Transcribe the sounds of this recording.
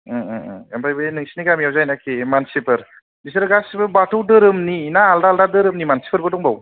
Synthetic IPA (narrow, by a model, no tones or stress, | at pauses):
ampʰajbɯnɯŋsiniɡamiawzajnakʰemansipʰɯɾ | bisɯɾɯɡasipɯɾbatɔwdɯɾɯmninaːldaldadɯɾɯmnimansi̥pʰɯɾbɯdɔŋbaw